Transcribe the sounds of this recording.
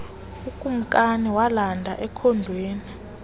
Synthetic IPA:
ukʼum̩kʼaniwalandʱaʔɛkʰɔndʱweːni

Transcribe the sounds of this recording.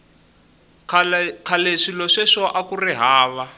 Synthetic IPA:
kʰalkʰaleʂilɔʂɛʂɔʔakuriɦaːβa

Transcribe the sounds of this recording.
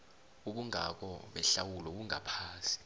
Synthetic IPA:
uɓuŋa̰k̬ɔɓɛɬawulɔoɓ̬uŋapʰaːsi̥

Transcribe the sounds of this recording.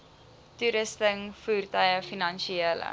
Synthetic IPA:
tuɾəstəŋfuːrtœjəfinɐnʃielə̰

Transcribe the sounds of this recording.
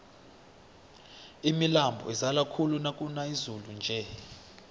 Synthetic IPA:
imilambʱɔ̰ɛzalakʰulunakʼunaizulund͡ʒʱɛ

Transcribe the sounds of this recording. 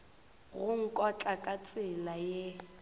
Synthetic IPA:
ɣʊŋ̩kʼɔt͡ɬʼakʼat͡sʼɪlaje

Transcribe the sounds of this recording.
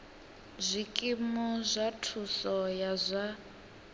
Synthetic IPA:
zʷikʼimɔzʷatʰusɔjazʷa

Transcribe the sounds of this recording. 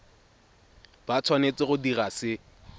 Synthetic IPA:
b̥at͡sʰwanet͡sɪɣʊdirasɪ

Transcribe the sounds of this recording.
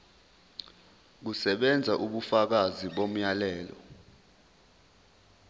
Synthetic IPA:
k̬usɛɓɛnd͡zʱaʔuɓufak̬aziɓom̩jalɛːlɔ̰

